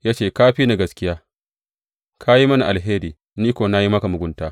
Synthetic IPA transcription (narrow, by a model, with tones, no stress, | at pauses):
ja˦t͡ʃeː˨kaː˦ɸiː˦na˨ɡɐ˦skʲɪ˦jaː˦ | kʰa˦ji˦mɐ˦na˨ʔa˨lɦeː˦ɾiː˨ | niː˦kʷoː˨na˦ji˦mɐ˦ka˨mʊ˨ɡʷʊ˦ntaː˦